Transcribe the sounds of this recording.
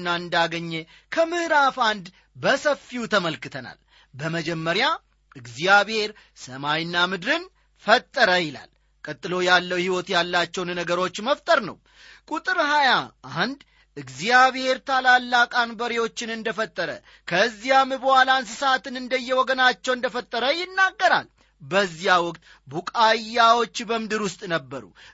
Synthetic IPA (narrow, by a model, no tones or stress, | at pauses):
nːaɨnd̪aɡəɲːe | kʰəmɨhɾafand̪ | bəsəfːiut̪ʰəməlkɨt̪ʰəna̰l | bəməd͡ʒɛmːəɾja | ɨɡzijaβhe̞ɾ | səmajnːamɨd̪ɾɨn | fət̪ʼːəɾəjɪla̰l | kʼət̪ʼːɨlo̞jalːəwhiwɔt̪jalːat͡ʃːɛwnnəɡəɾo̞t͡ʃːməft̪ʼəɾnə̰w | kʼut̪ʼɨɾhajaʔand̪ | ɨɡzijaβhe̞ɾt̪ʰalalːakʼanbəɾewo̞t͡ʃːɪnɨnd̪əfət̪ʼːəɾə̰ | kʰəzːijamɨbəhalans̬ɨsat̪ʰɨnɨnd̪əjːɛwɔɡənat͡ʃːɛwɨnd̪əfət̪ʼːəɾəjɪnːaɡːəɾa̰l | bəzːijawɔkʼt̪ʼ | bukʼajːawot͡ʃːbəmɨd̪ɨɾwʊst̪ʼnəbːəɾṵ